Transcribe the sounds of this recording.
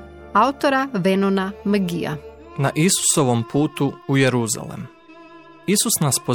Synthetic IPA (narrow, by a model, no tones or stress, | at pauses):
aut̪oɾaʋenonaməɡija̰ | naʔisu̥so̞ʋompuːt̪uujeɾuza̰lḛm | isusnaspo